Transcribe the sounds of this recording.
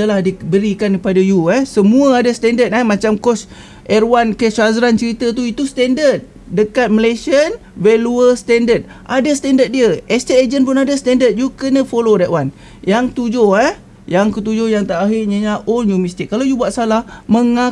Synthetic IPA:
t̪əlahdibəɾikankəpadajuɛhsəmũəadasət̪ɛndət̪ɛmãt͡ʃamkɔs | ʔɛrwankəsazɾant͡ʃəɾit̪at̪uit̪ust̪ɛndət̪̚ | dəkat̪̚məlesiən | vɛluəst̪ɛndət̪̚ | ʔadasə̥t̪ɛndət̪̚diəɛst̪eed͡ʒənpʊnadast̪ɛndət̪̚jukənə̃folodɛʔwan | jaŋt̪ud͡ʒoɛ | jaŋkət̪ud͡ʒohjaŋt̪aʔaɦɪrɲəɲaʔonjumist̪ɪkːalawjubuat̪̚salahməŋa

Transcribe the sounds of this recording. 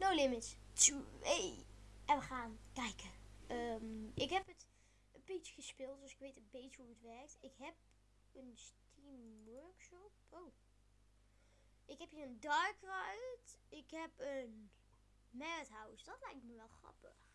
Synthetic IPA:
nowlɪmɪstuejʔɛnʋəχaːnkɛjkəʔəmʔɪkɦɛpət | əpit͡ʃəχəspɪlˠt̚døsɪkʋejtənbejt͡ʃəɦuətʋɛɹk̚tɪkɦɛp̚ | ənstimwøɹkʃɔp̚ow | ʔɪkɦɛpiːɹəndɑɹkrajtɪkɦɛpən | mɛrətɦawsdɑtlɛjk̚tməʋɛlˠxrɑ̰pə̰x

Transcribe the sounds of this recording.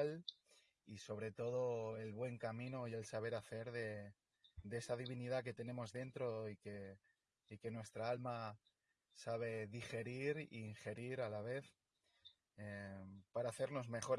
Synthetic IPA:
l | iso̞β̞ɾe̞t̪o̞ð̞o̞e̞lβwe̞ŋkamĩnoie̞lsaβ̞e̞ɾaθe̞ɾðe̞ | ðee̞saðiβ̞iniðake̞t̪e̞ne̞mo̞zðe̞nt̪ɾo̞ike | ike̞nwe̞st̪ɾaalma | saβ̞e̞ðixe̞ɾiɾḭːŋxe̞ɾiɾalaβ̞e̞θ | epaɾaːθe̞ɾno̞zme̞xo̞ɾ

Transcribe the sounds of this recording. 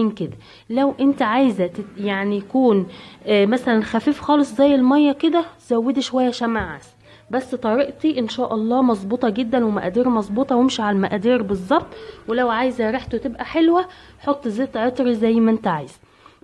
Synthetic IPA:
iːnked̪æ | læwʔent̪æʕajzæjaʕnijækuːnmæsælænxæfiːfxɑːlesˤzæjːelmɑjːɑked̪æz̥æwːed̪iʃowæjːæʃæmaʕa̰s | bæsːt̪ˤɑɾiʔt̪iʔenʃæːʔɑlˤːɑːmɑzˤbuːt̪ˤɑɡed̪ːænwemæ̰ʔæd̪iːɾmɑzˤbuːt̪ˤɑwemʃiʕalæmæʔæd̪iːɾbezˤːɑb̚t̪ˤwelæwʕaːjezæɾeħt̪owt̪ebʔæħelwæħot̪ˤːzeːt̪ːʕet̪ˤɾizæjːmæʔent̪æʕajz̥æ

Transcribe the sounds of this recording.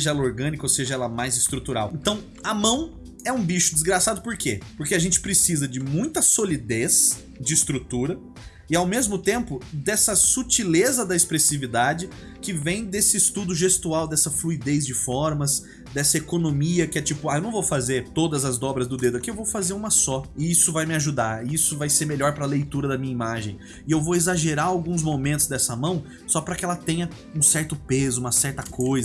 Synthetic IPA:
eʒɐɛlɐoɾɡɐ̃nikɐoseʒɐɛlɐmajzɪst̪ɾut̪uɾa̰wẽnt̪ɐ̃w̃ | ɐmɐ̃w̃ | ɛũbiʃʊd͡ʒ̪ɪzɡɾasad̪ʊpoɾkepoɾkeaʒẽnt͡ʃɪ̥pɾesizɐd͡ʒɪmũj̃t̪ɐsolid̪es | d͡ʒɪːst̪ɾut̪uɾɐ | ɪawmezmʊt̪ẽmpʊd̪ɛsɐsut͡ʃilezɐd̪ɐespɾesivid̪ad͡ʒɪ | kɪvẽj̃d̪esɪːst̪ud̪ʊʒest̪uawd̪ɛsɐfluid̪ezd͡ʒɪfɔɾmɐs | d̪ɛsɐekonomiɐkɪɛt͡ʃipʊaewnɐ̃w̃vowfazeɾt̪od̪ɐzɐzd̪ɔbɾɐzd̪ʊd̪ed̪ʊɐkiewvowfazeɾũmɐsɔɪisʊvajmɪaʒud̪aɾɪisʊvajseɾmeʎɔɾpɾɐlejt̪uɾɐd̪ɐmĩɲɐimaʒẽj̃ | ɪewvowezaʒeɾaɾawɡũzmomẽnt̪ʊ̥zd̪ɛsɐmɐ̃w̃ | sɔpɾɐkɪɛlɐt̪ẽjɐ | ũsɛɾt̪ʊpezʊũmɐsɛɾt̪ɐkʰojzɐ

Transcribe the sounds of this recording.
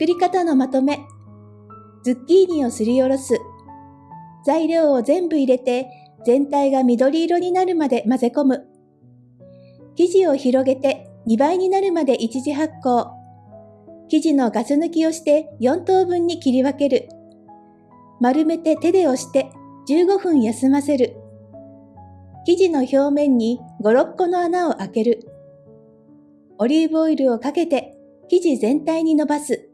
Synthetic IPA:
kɯ̟ɾʲikat̪ano̞mat̪o̞me̞ | d͡zɨkʲːiːɲʲĩo̞sɨɾʲijo̞ɾo̞sɨ | z̥aiɾʲo̞ːozẽ̞mbɯ̟iɾe̞t̪e̞ | z̥ẽ̞nt̪aiɡamʲid̪o̞ɾʲiːɾo̞ɲ̟inaɾɯ̟mad̪e̞maze̞ko̞mɯ̟ | kʲiʑio̞çiɾo̞ɡe̞t̪e̞ɲ̟ibaiɲ̟inaɾɯ̟mad̪e̞ʔit͡ɕiʑiɦakːo̞ː | kʲiʑino̞ɡasɨnɯkʲio̞ɕi̥t̪e̞jõ̞nt̪o̞ːbɯ̟̃ɲ̟ːikʲiɾʲiβake̞ɾɯ̟ | maɾɯ̟me̞t̪e̞t̪e̞d̪e̞o̞ɕi̥t̪e̞d͡ʑɨːɡo̞ɸɯ̟̃ɰ̃jasɨmase̞ɾɯ̟ | kʲiʑino̞ço̞ːmẽ̞ɲ̟ːiɡo̞ɾo̞kːo̞no̞anao̞ʔake̞ɾɯ̟ | o̞ɾʲibo̞iɾɯ̟o̞kake̞t̪e̞ | kʲiʑizẽ̞nt̪aiɲ̟ino̞basɨ

